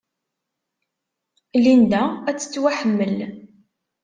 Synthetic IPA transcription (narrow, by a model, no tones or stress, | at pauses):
lind̪ææt͡sːə̥t͡sːwaħəmːəl